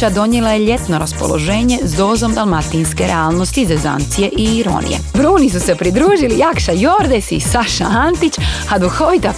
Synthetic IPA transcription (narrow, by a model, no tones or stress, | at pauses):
ad̪o̞ɲelajeʎe̞t̪no̞ɾaspo̞̰lo̞̰ʒe̞ːɲe̞zd̪o̞ːzo̞md̪almat̪iːnske̞ɾeaːlˠno̞st̪izeza̰nt̪sije̞ʔiiɾo̰ːnḭjḛbɾuːnis̬use̞pɾid̪ɾuːʒilijakʃajo̞ɾd̪esḭsaʃa̰ant̪it͡ʃad̪uxo̞ʋit̪a